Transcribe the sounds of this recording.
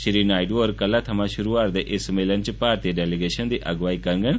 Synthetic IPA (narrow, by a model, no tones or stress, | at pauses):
ʃɾiːnaːiɖʋoːɾkəlːat̪ʰɐmãʃʊɾuaːɾd̪eʔesmelənt͡ʃpaːɾt̪iːəɖɛːliɡeːʃənd̪iːʔɐɡʋaːikɐɾɡən